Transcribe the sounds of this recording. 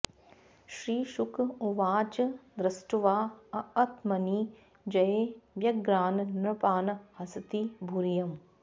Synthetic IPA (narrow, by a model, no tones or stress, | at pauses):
ʃɾiːʃukʰuʋaːt͡ʃd̪ɾɐsʈuʋaːɐɐt̪mɐniː | d͡ʒɐjeʋjɐɡɾaːnnɾɐpaːnhɐsɐt̪ibʱuɾjɐm